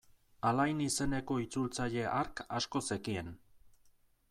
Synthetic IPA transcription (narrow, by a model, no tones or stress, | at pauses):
alajnise̞ne̞ko̞it͡sult͡saʎe̞ʔaɾkasko̞se̞kie̞n